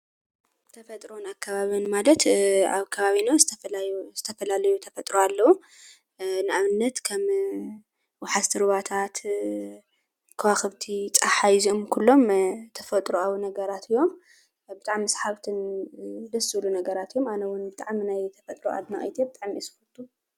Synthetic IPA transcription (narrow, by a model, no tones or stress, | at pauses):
t̪ʰɐfɐt̪ʼɾo̞nakʰːaβaβonmalɐt̪a̰βkʰɐβaβinozɨt̪ʰɐfljz̥ɨt̪ʰɐfɐlalɐjut̪ʰɐfɐt̪ʼɾoalːɐwu | nɨʔaβɨnːɐt̪kʰɐm | wħazt̪ʰɨɾβat̪ʰat̪ | kʰɐwaxɨβt̪ʰit͡sʼaħaizio̞mkʰulːo̞mt̪ʰɐfɐt̪ʼɾoawunɐɡɐɾat̪ʰɨjːo̞m | bɨt̪ʼaʕmisħaβt̪ʰɨnd̪ɐsːɨlunɐɡɐɾat̪ɨjːo̞manɐwʊnbɨt̪ʼaʕminajt̪ʰɐfɐt̪ʼɾoʔa̰d̪nɐχʼit̪ʰebɨt̪ʼaʕmisɨxult̪ʼʰu